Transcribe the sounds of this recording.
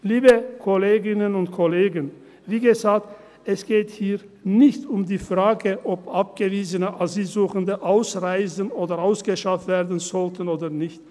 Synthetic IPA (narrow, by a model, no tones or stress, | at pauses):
liːbəkʰɔleːɡɪnənʊntkʰɔleːɡən | viːɡəzaːk̚t | ɛsɡ̥eːthiːʁnɪçtʊmdiːfʁ̥aːɡəʔɔpʔap̚ɡ̥əviːzənəʔaziːzuːxəndəʔaʊsʁaɪzənoːdɐʁaʊsɡ̥əʃaftv̥eːɐdn̩zɔltən̩oːdɐnɪçt